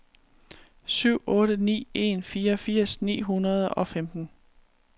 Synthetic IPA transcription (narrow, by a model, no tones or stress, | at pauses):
syʊ̰ʔɔ̽ːɾ̥ənḭːe̝̰nfiːɐɒfiɐ̰snḭːɦunɐð̞ˠɒ̽femd̥n̩